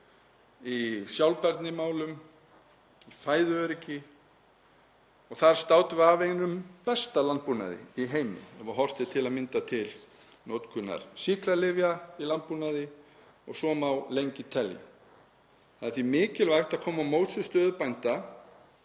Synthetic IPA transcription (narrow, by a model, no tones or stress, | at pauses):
isjawlpɛɾt̪nɪmaːwlʏm | ifaːjðʏœɾɪcɪ | ɔɣθaɾ̥st̪aːwt̪ʏvavejnʏmpɛst̪alant̪̚puna̰ðɪ̰iɦeːjmɪ̰ɛmaɦɔr̥t̪ɪt̪ʰɪlaðmɪnt̪at̪ʰɪl | nowt̪kʰʏnːa̰ɾ̥sihklalɪvjailant̪̚punaðɪ | ɔɣsɔːmawlejɲcɪt̪ʰɛlja̰ | θaθimɪːcɪlvajxt̪aðkʰɔːmawmoːwt̪sʏst̪œːðʏpajnt̪a